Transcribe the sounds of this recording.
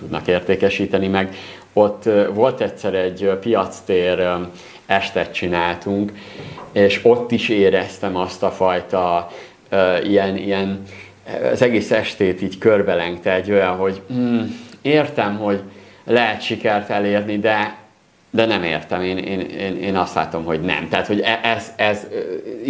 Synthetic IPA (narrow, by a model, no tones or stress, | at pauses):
t̪ud̪nɒ̰keːrt̪eːkɛʃiːt̪ɛnimɛɡ | o̞t̪ːvo̞lt̪ɛtsɛɾɛɟːpijɒt̪st̪eːɾ | ɛʃt̪ɛt̪̚t͡ʃinaːlt̪uŋkeːʃo̞t̪ːiʃeːɾɛst̪ɛmɒst̪ɒfɒjt̪ɒ | øijɛnijɛn | ɒ̰zɛɡeːsɛʃt̪eːt̪iːɟkørbɛlɛŋkt̪ɛɟøjɒɦo̞ɟ̩eːrt̪ɛmɦo̞ɟlɛɦɛt̪ʃikɛrt̪ɛleːrnid̪ɛ | d̪ɛnɛmḛːrt̪ɛmeːnḛːneːneːnɒst̪la̰ːt̪o̞mɦo̞ɟnɛ̰mt̪aːt̪ho̞ɟɛʔɛzɛz